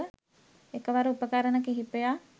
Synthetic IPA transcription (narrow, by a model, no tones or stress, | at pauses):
ekəʋaɾəupəkaɾənəkiɦipeja